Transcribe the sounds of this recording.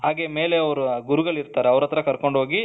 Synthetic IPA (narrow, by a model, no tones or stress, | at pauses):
ɦaːɡemeːle̞ɐʋɾuɡuɾuɡɐɭiɾt̪aːɾeɐʋɾɐt̪ːɐɾɐkɐɾko̞ɳɖɦo̞ːɡi